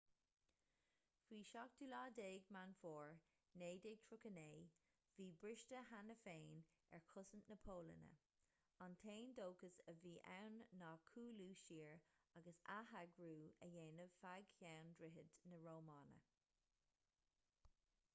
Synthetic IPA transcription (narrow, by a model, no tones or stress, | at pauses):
fiːʃɑk̚d̥ulɑːdeːɡmanfɔːɹ | neːdeɡ̚tʰɹʊkəneː | viːbɹɪʃtəɦanəfeːn | ɛ̰ɹkʰʊsənnəpʰoːlə̰nə̰ | ɑntʰeːndoːkəsəviːʔa̰wnːɑːkʰuːluːʃiːɹaɡəsaɦaɡɹuːəjeːnəfaɡçawndɹɪɦədnəɹoːmɑːnə̰